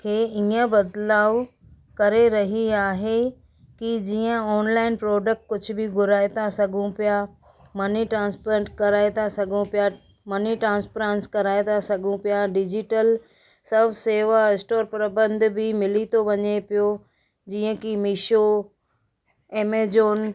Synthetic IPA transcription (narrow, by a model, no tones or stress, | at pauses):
kʰeːiə̃bɐd̪laːʋ | kɐɾeɾɐɦiaːɦe | kid͡ʑiːə̃ɔːnlaːɪnpɾɔːɖək̚ʈ̚kʊd͡ʑʱʊ̆bɪɡʊɾaːet̪asɐɡʱũpija | mɐniʈɾãːnspəɾə̃ɳʈkɐɾaːet̪asɐɡʱũpija | mɐniʈɾãːnspɾẽnskɐɾaːet̪asɐɡʱũpijaɖɪd͡ʑɪʈəl | sɐbʱseːʋaɪsʈoːɾpɾɐbə̃nd̪ʱbʱɪmɪlit̪ʰoʋɐɲepɪjo | d͡ʑiːə̃kimɪʃo | eːmeːd͡ʑoːn